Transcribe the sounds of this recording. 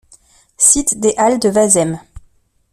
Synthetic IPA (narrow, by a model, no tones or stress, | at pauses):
sit̪d̪eʔald̪əvazɛm